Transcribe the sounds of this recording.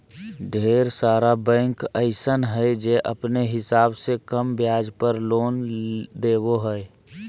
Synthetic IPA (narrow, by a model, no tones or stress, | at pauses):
ɖʱeːɾsaːɾabɛ̃ːŋkəɪsənɦɛed͡ʒeːʔəpneɦɪsaːbsekəmbjaːd͡ʒpəɾloːnd̪eːboɦɛe